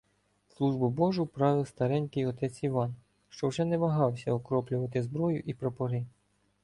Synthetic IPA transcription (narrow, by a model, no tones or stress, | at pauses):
slˠuʒbʊbɔʒʊpɾɑʋɪwst̪ɐɾɛnʲkɪjɔt̪ɛt͡sʲiʋɑn | ʃt͡ʃɔwʒɛnɛʋɐɦɑwsʲɐɔkɾɔplʲʊʋɐt̪ɪzbɾɔjʊʔipɾɔpɔɾɪ